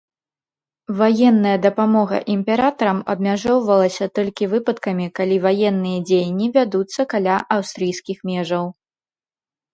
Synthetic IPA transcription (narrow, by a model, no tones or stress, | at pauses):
vajɛnːɐjɐd̪ɐpamɔɣɐ̰ʔimpʲɛɾat̪ɐɾɐmɐ̰bmʲaʐɔwvɐlˠɐsʲɐt̪ɔlʲkʲivɨpɐt̪kɐmʲikalʲivajɛnːɨjɐd͡zʲejnʲːivʲad̪ut̪sːɐkalʲaʔawst̪ɾɨjsʲkʲixmʲɛʐɐw